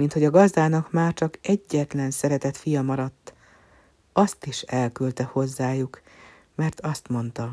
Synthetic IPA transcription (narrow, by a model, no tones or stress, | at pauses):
mint̪ho̞ɟɒɡɒzd̪aːnɒkmaːrt͡ʃɒkɛɟːɛt̪lɛnsɛɾɛt̪ɛt̪fijɒmɒɾɒt̪ː | ɒst̪iʃɛlkylt̪ɛho̞zːaːjuk | mɛrt̪ɒst̪mo̞nt̪ɒ